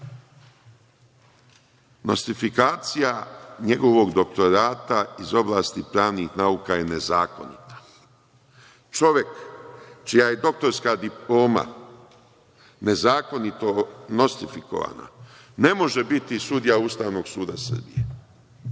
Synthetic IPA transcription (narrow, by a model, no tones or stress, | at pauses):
no̞̰st̪ifikaːt̪sijaɲe̞ɡo̞ʋo̞ɡd̪o̞k̚t̪o̞ɾaːt̪aizo̞blˠaːst̪ipɾaːʋnixnauːkaje̞ne̞zaːko̞̰nit̪ḁ | t͡ʃo̞ʋje̞kt͡ʃijaje̞d̪o̞k̚t̪o̞ɾskad̪iplo̞ːma̰ | ne̞zaːko̞nit̪o̞no̞st̪ifiko̞̰ʋa̰ːna̰ | ne̞mo̞ʒe̞bit̪isud̪ijauːst̪aːʋno̞ɡsuːd̪asər̩bije